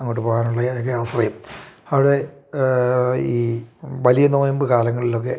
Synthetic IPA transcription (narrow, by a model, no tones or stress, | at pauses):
eŋːoːʈːɨpoːɣaːnuɭːɐðokːeaːɕrɐjɐmɐʋiɽe̞ | iːʋɐlijɐno̞ːjɐmbɨkaːlɐŋːɐɭilo̞kːe̞